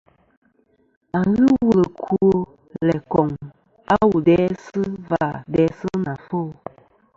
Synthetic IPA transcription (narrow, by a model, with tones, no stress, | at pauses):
a˨ɣɨ˦wu˦lə˨kʰu˦o˦ | lɛ˨kɔ˨ŋ | a˦wu˨dɛ˨˦sɨ˦va˦˨dɛ˨˦sɨ˦na˨fo˦